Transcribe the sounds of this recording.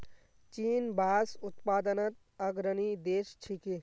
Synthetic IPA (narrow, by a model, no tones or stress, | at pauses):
t͡ʃiːnbʱaːsut̪paːd̪ənət̪ | ɐɡɾənid̪eːst͡ʃʰiki